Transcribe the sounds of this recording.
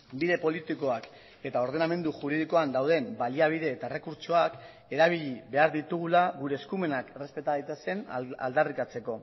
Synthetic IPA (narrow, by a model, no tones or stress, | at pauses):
biðe̞po̞lit̪iko̞ak | e̞t̪ao̞ɾð̞e̞name̞nd̪uʝuɾiðiko̞and̪awð̞e̞mbaliaβ̞iðe̞ːt̪aere̞kuɾt͡so̞ak | e̞ɾaβ̞iʎiβe̞aɾðit̪uɣ̞ulaɣuɾe̞ːskume̞nakere̞spe̞t̪aðajt̪eske̞na̰ld̪arikat͡se̞ko̞